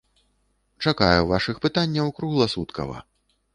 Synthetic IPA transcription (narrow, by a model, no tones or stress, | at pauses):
t͡ʂakajɛvaʂɨxpɨt̪anʲːɐwkɾuɣlˠɐsut̪kɐ̰vɐ̰